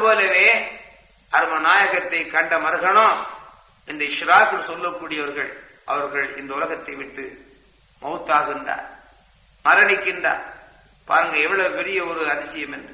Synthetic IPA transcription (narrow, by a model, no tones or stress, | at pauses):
ɐðɯpoːlɐʋeː | ʔɐɾɯmɐnaːjɐɣɐt̪ːɐɪkːɐɳɖɐmɐɾɯɣɐɳõː | ɪnd̪ɐɪʂɾaːkɪnsɔlːɐkːuːɽɪjɐʋɐɾɣɐ̰ɭ | ʔɐ̰ʋɐɾɣɐɭɪ̰nd̪ɐʊlɐɣɐt̪ːɐɪʋɪʈːɯ | mɐt̪ːaːɣɪndra̰ːɾ | mɐɾɐnɪkːɪndra̰ː | pa̰ːɾɯŋɡɐɛʋːɐɭɐɯpɛɽɪjɐɔɾɯɐðɪsɪjɐmɛndrɯ